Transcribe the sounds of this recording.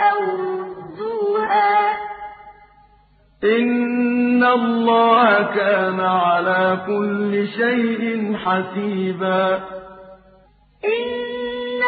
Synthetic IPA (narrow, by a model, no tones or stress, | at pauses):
ʔawduːʔaː | ʔɪnː | alˤːɑːhakaːnaʕalaːkʊlːɪʃajʔɪnħasiːbaː | ʔɪnː